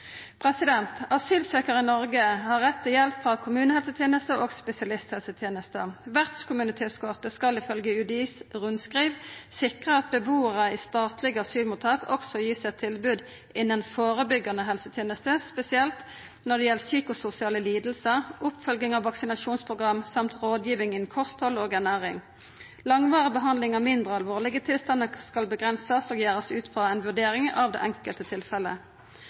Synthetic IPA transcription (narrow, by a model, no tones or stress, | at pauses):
pʰʁɛsɪd̪ɛnt̪ɑsyːlseːkəʁəɪnɔʁɡəhɑʁːɛt̪ʰːɪljɛlpfʁɑkʰʊmʉːnəhɛlsət̪ʰjeːnəst̪əʔoːɡspɛsɪɑlɪst̪hɛlsət̪ʰjeːnəst̪əʋæʁt̪skʰʊmʉnɪt̪ʰeːt̪skoːʁt̪əskɑlɪfœlɡəʉd̪iːsʁʉnskʁiːʋsɪkʁəɑt̪̚bəbuːəʁəist̪ɑːt̪ʰlɪɡəɑsyːlmuːt̪ʰːɑːkɔksɔjiːsɛt̪ʰɪlbʉːd̪ | ɪnːənfoːʁəbʏɡːɑnəɦɛlsət̪ʰjeːnəst̪əspɛsɪɛlt̪ | nɔd̪ɖɛjɛlsyːkʊsʊsɪɑːləliːd̪l̩səʁʊpfœlɡɪŋɑʋːɑksɪnɑʃuːnspʰʁʊɡʁɑmsɑmt̪ɾoːd̪jiːʋɪŋɪnkʰɔst̪hɔloːɡæɳæːʁɪŋ | lɑŋʋɑːʁəbəɦɑnd̪lɪŋəmɪnd̪ʁəɑlʋoːlɪɡət̪ʰɪlst̪ɑnːəskɑlbəɡʁɛnsəsoːɡjæːʁəsʉːt̪fʁɑːɛnʋʉɖeːɾɪŋɑːʋd̪ḛːʔɛŋkəlt̪ət̪ʰɪlfɛlːə